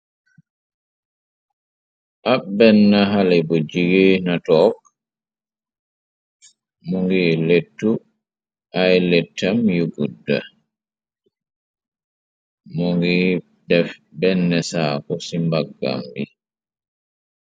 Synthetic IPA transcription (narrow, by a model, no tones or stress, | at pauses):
ʔabɛnːaɦalɛbɔd͡ʒiɡenatɔːk | mɔŋɡiːletːu | ʔajlɛtʰːamjuɡudːa | mɔŋɡɛ | dɛfbɛnːɛsaːkɔsimbaɡːa̰mbi